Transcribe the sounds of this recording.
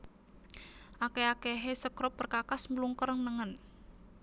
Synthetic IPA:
ʔakeakeɦesəkɾɔpːərkakasmluŋkərŋnəŋən

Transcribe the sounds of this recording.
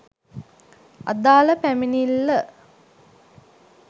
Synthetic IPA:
a̰d̪aːləpæminilːə

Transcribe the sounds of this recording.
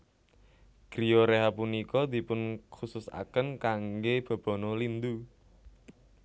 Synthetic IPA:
ɡ̥ɾijoɾeɦapunikɔd̪̥i̤pʊnkusʊsa̰kənkaŋɡeb̥a̤b̥ɔ̤nɔlind̪u

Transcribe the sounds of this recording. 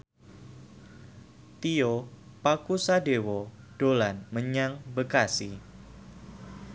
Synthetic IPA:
t̪io | pakusadewɔ | ɖ̥olanməɲaŋbəkasi

